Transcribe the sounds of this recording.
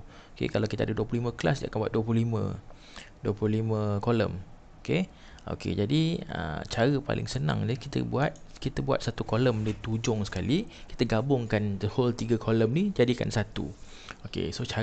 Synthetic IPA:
okḛkalawkit̪əadəduəplulimə̃klasdiakanbuat̪̚duəp̬luhlimə̰̃ | duəpluhlimə̃kolə̰m | oke | o̰kḛd͡ʒadiə̰t͡ʃaɾəpa̰lɪ̰ŋsənã̰ŋnikit̪ə̰buat̪̚kit̪əbua̰t̪̚sat̪ukoləmdit̪ud͡ʒʊŋsə̥kali | ki̥t̪əɡabʊŋkandəholt̪iɡəkʰoləmnid͡ʒadika̰nsat̪ṵ | okḛsot͡ʃa

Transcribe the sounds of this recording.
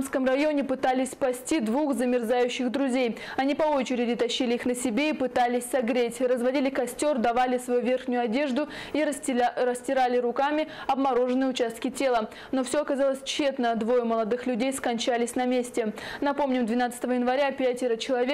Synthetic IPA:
mskəmrɐjo̞nʲɪpɨt̪alʲɪsʲpɐsʲtʲid̪vuxzəmʲɪrzajʉɕːɪxd̪ɾʊzʲejɐnʲipɐo̞t͡ɕɪɾʲɪdʲɪt̪ɐɕːilʲɪixnəsʲɪbʲeipɨt̪alʲɪsʲsɐɡɾʲetʲrəzvɐdʲilʲɪkɐsʲtʲo̞rd̪ɐvalʲɪsvɐjuvʲe̞rxnʲʊjʊɐdʲe̞ʐd̪ʊirəsʲtʲɪɾalʲɪɾʊkamʲɪɐbmɐɾo̞ʐɨnɨjʊt͡ɕast̪̚kʲɪtʲe̞lˠə | no̞fsʲoɐkɐzalˠəsʲt͡ɕːe̞t̪nəd̪vo̞jəməlˠɐd̪ɨxlʲʉdʲejskɐnʲt͡ɕalʲɪsʲnɐmʲesʲtʲɪnɐpo̞mnʲɪmd̪vʲɪnat̪sə̥t̪əvəjɪnvɐɾʲapʲatʲɪɾət͡ɕɪlˠɐvʲe

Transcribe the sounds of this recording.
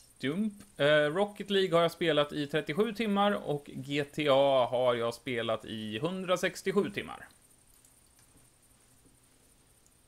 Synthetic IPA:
d̪̥ɵmpɾɔkːət̪liːɡhaɾjaːspeːlat̪ɪt̪ʰɾɛt̪ːɪɧʉ̟ːt̪ʰɪmːaɾɔ̰kɡeːt̪ʰeːɑːɦaɾjɑːspeːlat̪ɪɦɵnd̪ɾasɛkst̪ɪɧʉ̟ːt̪ʰɪmːa̰ɾ

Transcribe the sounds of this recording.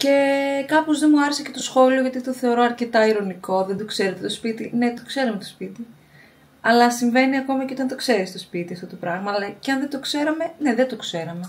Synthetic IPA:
ce̞kɐpozðemuɐɾesece̞t̪osxo̞lio̞ʝɐt̪it̪oθe̞o̞ɾo̞ɐɾce̞t̪ɐiɾo̞niko̞ðend̪okse̞ɾet̪et̪o̞spit̪ine̞t̪okse̞ɾɐmet̪ospit̪i | ɐlɐsiɱve̞niɐko̞mɐceot̪ɐnt̪o̞kse̞ɾist̪o̞spit̪iɐft̪o̞t̪o̞pɾɐɣmɐlɐceɐnðed̪o̞kse̞ɾɐme̞ne̞ðet̪o̞kse̞ɾɐme̞

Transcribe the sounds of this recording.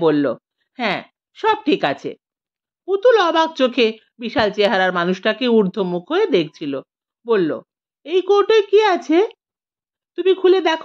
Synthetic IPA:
bolːo̰ | hɛ̃ | ʃɔb̚ʈʰikat͡ɕʰḛ | kut̪ulɔbaɡ̚t͡ɕokʰe | biʃalt͡ɕeɦaɾaɾmanuʃʈakeuɾd̪ʱomukʰoed̪ek̚ʰt͡ɕʰilo | bolːo̰ | ejkoɾʈojkiat͡ɕʰe | t̪umikʰuled̪ɛkʰ

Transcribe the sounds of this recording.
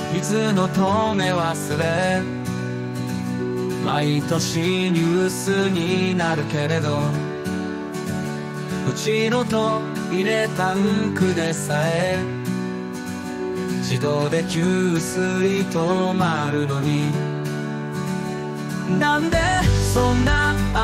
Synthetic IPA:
it͡sɨno̞t̪ome̞βasɨɾe | mait̪o̞ɕiɲɨsɨɲ̟inaɾɯ̟ke̞ɾe̞d̪o | ɯ̟t͡ɕiɾot̪o | iɾe̞t̪akɯ̟d̪e̞saee | t͡ɕid̪od̪e̞kʲɨːsɨɾʲit̪onaɾɯ̟noɲ̟i | nãnd̪e̞sõnːa

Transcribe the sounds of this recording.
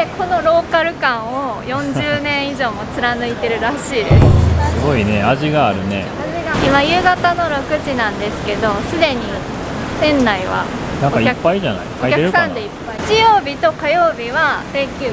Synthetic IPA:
ekʰo̞noɾo̞ːkaɾɯ̟kãɰ̃o̞jõ̞ɲ̟d͡ʑɨːnẽ̞ɰ̃iʑo̞ːmo̞t͡sɨɾanɯ̟it̪e̞ɾɯ̟ɾaɕiːsɨɡo̞ine̞aʑiɡaːɾɯ̟ne̞̰ | aiɡaimajɯ̟ːɡat̪ano̞ɾo̞kɯ̟ʑinãnd̪e̞sɨ̥ke̞d̪o̞sɨd̪e̞ɲ̟i | t̪ẽ̞nːaiβa̰nãŋokaikaːaiʑana̰ioaikaeɾɯsãnd̪eipːait͡ɕijo̞ːbʲit̪o̞kajo̞ːbʲiβasekʲɯː

